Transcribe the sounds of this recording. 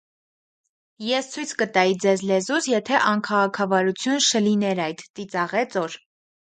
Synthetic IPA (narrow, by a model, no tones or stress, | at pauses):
jɛst͡sʰujt͡sʰkət̪ɑjid͡zɛzlɛzusjɛt̪ʰɛʔɑnkʰɑʁɑkʰɑvɑɾut͡sʰjunʃʰəlinɛɾɑjt̪ːit͡sɑʁɛt͡sɔɾ